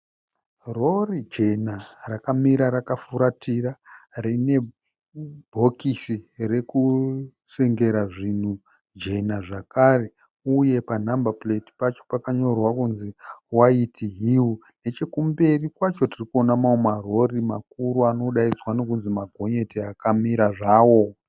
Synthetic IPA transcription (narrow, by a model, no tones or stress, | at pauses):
ro̞rid͡ʒe̞narakamiɾaɾakafuɾatʰirarine̞ | bʱo̞kisire̞ku | seŋɡe̞ɾaʐin̤u | d͡ʒe̞naʐakare̞ | uje̞panambapleti̥pat͡ʃo̞̥pakaɲo̞rwakunziwaitʰiɦiwu | ne̞t͡ʃe̞kumbe̞rikwat͡ʃo̞tirikuonamaomaro̞rima̰k̚uɾuano̞ɗaid͡zwanokunzimaɡʱo̞ɲe̞teakamiɾaʐaːwo̞